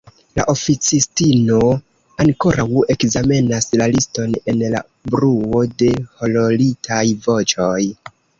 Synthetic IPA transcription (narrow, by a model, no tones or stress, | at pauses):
la̰ʔo̞fit͡sistino̞ | aŋko̞ɾʔawe̞kzame̞naslalisto̞ne̞nla̰ | bɾuo̞de̞ho̞lo̞litʰajvo̞t͡ʃo̞j